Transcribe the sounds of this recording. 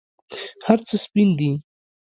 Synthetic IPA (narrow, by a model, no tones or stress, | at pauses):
haɾt͡səspind̪i